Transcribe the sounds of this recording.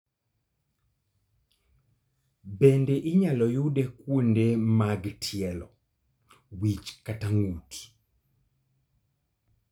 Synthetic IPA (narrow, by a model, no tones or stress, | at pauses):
bendeʔɪɲalɔjudekwondemaɡtʰjɛlɔ̰ | wit͡ʃkataŋut